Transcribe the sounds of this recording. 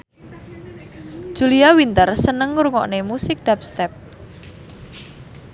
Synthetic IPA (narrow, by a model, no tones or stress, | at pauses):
ʒ̥uliawint̪ərsənəŋɾuŋɔ̰ʔnemusɪk̚d̥ap̚st̪ɛp̚